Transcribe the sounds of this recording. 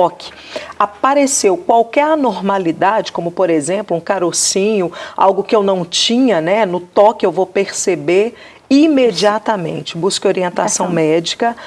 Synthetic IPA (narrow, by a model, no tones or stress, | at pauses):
ɔkɪ̥ | apaɾesewkwawkɛɾanoɾmalid̪ad͡ʒɪkõmʊpoɾezẽplʊũkaɾosĩɲʊa̰wɡʊkɪewnɐ̃w̃t͡ʃĩɲɐnɛnʊt̪ɔkɪewvowpeɾsebeɾ | imed͡ʒiat̪ɐmḛ̃nt͡ʃɪ̥buskɪoɾiẽnt̪asɐ̃w̃mɛd͡ʒikɐ